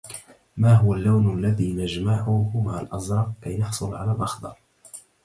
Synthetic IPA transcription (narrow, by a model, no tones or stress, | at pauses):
maːɦʊwalːawnalːaðiːnad͡ʒmaʕʊhʊmaa̰lʔɑzɾˤɑq̚kajnɑħsˤʊlʕalaːlʔɑxd̪ˤɑɾˤ